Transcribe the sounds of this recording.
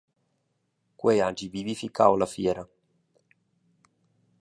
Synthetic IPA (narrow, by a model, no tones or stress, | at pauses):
kwead͡ʒivivifikawlafjɛːɾa